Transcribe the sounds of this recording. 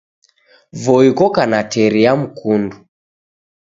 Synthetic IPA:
vɔikɔkanatʰɛɾiam̩kundu

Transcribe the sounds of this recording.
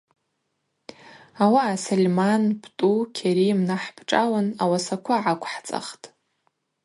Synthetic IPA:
awaːsalʲmanbʰtʼukʲʰeɾimnaħbʰʈ͡ʂʼalanawasakʷʰaʕakʷʰħt͡sʼa̰χtʼ

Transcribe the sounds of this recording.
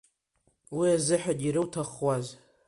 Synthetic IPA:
wiazɨħakʲʼiɾɨtʰaχwaz

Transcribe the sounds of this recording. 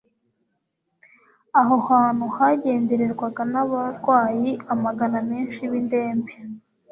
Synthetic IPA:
aɦohaːn̥huhaɟe̞ːndeɾeɾɡwaɡanaβaɾɡwaːjiamaɡaname̞ːnʃiβinde̞ːmbe

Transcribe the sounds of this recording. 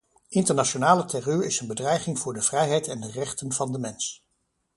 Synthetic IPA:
ɪntəɹnaʃonaːlətʰɛryɹɪsənbədrɛjχɪŋv̥ʊːɹdəv̥rɛjɦɛjtɛndərɛχtənvɑndəmɛns

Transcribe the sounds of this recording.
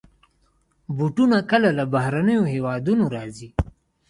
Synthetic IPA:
buʈunakəlalabahɾanəjoɦewɑd̪unoɾɑzi

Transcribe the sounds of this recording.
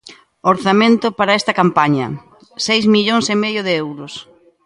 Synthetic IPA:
oɾθamẽnt̪ʊpaɾɐest̪ɐkampaɲɐ̰ | sejzmiʎoŋsɪmeðjʊðɪewɾʊs

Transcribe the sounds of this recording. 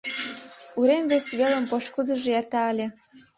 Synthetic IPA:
uɾemβesβelə̆mpoʃkud̪ə̆ʒojært̪ɑəlʲĕ

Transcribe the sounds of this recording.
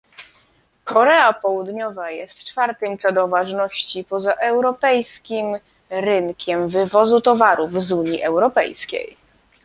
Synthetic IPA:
kɔɾɛapɔwud̪ɲɔvajɛst̪t͡ʂfaɾt̪ɘmpʂɛd̪ɔvaʐnɔɕt͡ɕipɔzaʔɛwɾɔpɛjskʲim | ɾɘŋkʲʰɛmvɘvɔzut̪ɔvaɾuvzuɲiʔɛwɾɔpɛ̰jskʲḛj

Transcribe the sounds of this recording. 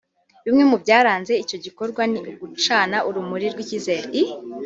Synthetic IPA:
βimŋe̞mubɟaːɾaːnze̞ico̞ɟiko̞ɾɡwaniɡut͡ʃaːnaʔuɾumuɾiɾɡwiciːze̞ːɾei

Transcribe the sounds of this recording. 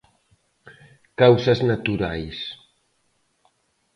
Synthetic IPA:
kawsaznat̪uɾajs

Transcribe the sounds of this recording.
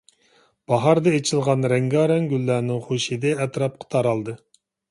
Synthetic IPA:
b̥ɑɦɑɾd̪ɛet͡ʃʰilˠʁɑnɾɛŋɡɑɾɛŋɡʲylːæːnɪŋχoʃid̪ɛːt̪ɾɑp̚qʰə̥t̪ʰɑɾɑlˠd̪ɨ

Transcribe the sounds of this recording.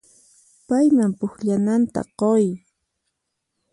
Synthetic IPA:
pajmampʊxʎanant̪a̰qoj

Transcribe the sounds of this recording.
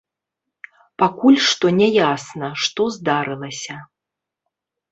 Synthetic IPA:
pakulʲʂt̪ɔnʲɛjasnɐʂt̪ɔzd̪aɾɨlˠɐsʲɐ

